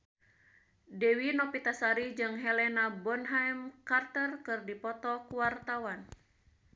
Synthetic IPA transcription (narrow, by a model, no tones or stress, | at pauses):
dɛwinɔpit̪asaɾid͡ʒɨŋɦɛlɛnabɔnɦajmkart̪ərkɨrdipɔt̪ɔkuwart̪awan